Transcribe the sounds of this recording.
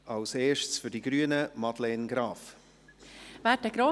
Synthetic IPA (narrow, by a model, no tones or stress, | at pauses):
ʔɑlseːʃst͡sfydiɡɾyːənəmɑdlɛnɡɾɑːf | væːtəɡɾo